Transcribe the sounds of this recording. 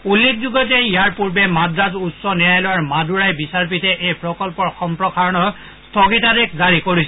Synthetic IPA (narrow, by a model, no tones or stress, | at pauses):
ulːek̚ʰzuɡɔtɛijaɹpuɹbɛmadɹazutsɔnɛjajlowaɹmaduɹajbisaɹp̬itɛʔejpɹɔkɔlpɔɹxɔmpɹɔkʰaɹɔnɔ | stʰɔɡitadekzaɹikoɹisɛ